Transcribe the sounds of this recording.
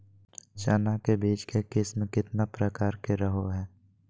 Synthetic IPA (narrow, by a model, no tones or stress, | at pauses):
t͡ʃaːnakebiːt͡ʃkekɪsmkɪt̪napɾəkaːɾkeɾəɦoɦɛː